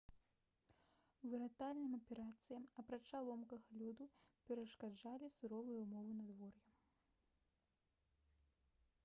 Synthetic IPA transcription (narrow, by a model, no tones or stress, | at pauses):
wvɨɾat̪alʲnɨmɐpʲɛɾat̪sɨjɐmɐpɾat͡ʂalˠɔmkɐɣɐlʲud̪upʲɛɾɐʂkad͡ʐalʲisuɾɔvɨjɐumɔvɨnɐd̪vɔrjɐ